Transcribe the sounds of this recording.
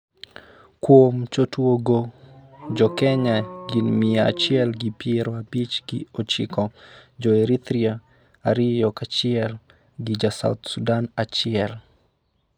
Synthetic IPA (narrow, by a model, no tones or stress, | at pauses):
kwomt͡ʃotwoɡo | d͡ʒɔkɛɲaɡinmɪaa̰t͡ʃɪɛlɡɪpjeɾoabit͡ʃɡiot͡ʃḭkɔd͡ʒɔeɾit̪ɾia | aɾɪjɔkat͡ʃɪɛl | ɡɪd͡ʒasa̰ut̪sudanat͡ʃɪɛl